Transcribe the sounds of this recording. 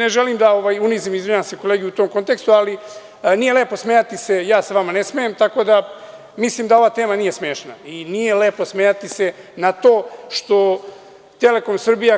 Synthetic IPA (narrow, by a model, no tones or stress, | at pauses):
neʒeliːmd̪aoʋaːjunizimizʋiɲanseko̞leːɡʲejut̪oːmko̞nt̪e̞kst̪uali | nijeleːpo̞smejat̪ise̞jaːseʋamane̞smejemt̪ako̞d̪a | misliːmd̪ao̞ʋaːt̪eːmanije̞smeːʃnainije̞le̞ːpo̞smeːjat̪ise̞nat̪oːʃt̪o̞ | t̪e̞le̞konsr̩bija